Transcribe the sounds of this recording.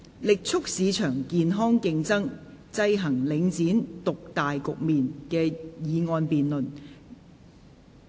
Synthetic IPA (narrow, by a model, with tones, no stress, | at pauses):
lɪ˨k̚t͡sʰʊ˥k̚siː˨˧t͡ʃʰœː˨˩ŋkiː˨nɦɔː˥ŋkɪ˧ŋt͡sɐ˥ŋ | t͡sɐ˧jɦɐ˨˩ŋlɪ˨˧ŋt͡siː˨˥nt̪ʊ˨k̚t̪aː˨jkʊ˨k̚miː˨nkɛː˧jiː˨˧ŋɔː˧npiː˨nlɵ˨n